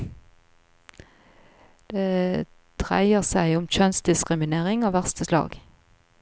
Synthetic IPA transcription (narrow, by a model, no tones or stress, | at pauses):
d̪̥eː | d̪̥ʁæ̰ɪəʁsæɪʊmc͡çœnsd̪ɪskʁɪmɪneːʁɪŋoːʋæʁst̪əslɑ̰ːɡ